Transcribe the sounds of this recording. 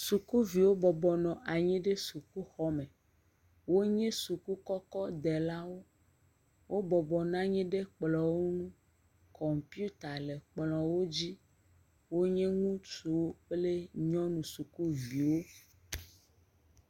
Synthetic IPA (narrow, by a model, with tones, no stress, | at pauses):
su˨ku˦vi˨wo˦bɔ˨bɔ˨nɔ̃˨ʔa˨ɲĩ˦ɖe˦su˨ku˦xɔ˦mẽ˨ | wo˦ɲẽ˦su˨ku˦kɔ˦kɔ˦d̪e˨la˦wo˦ | wʔo˦bɔ˨bɔ˨nã˦ɲɛ̃˦ɖe˦k͡plɔ̃˨wo˦nũ˦ | kɔ˨mpi˦u˦t̪a˨le˨k͡plɔ̃˨wo˦d͡ʑi˦ | wo˦ɲẽ˦ŋũ˦t͡ʃu˨wo˦k͡ple˦ɲɔ̃˦nũ˨su˨ku˦vi˨wo˦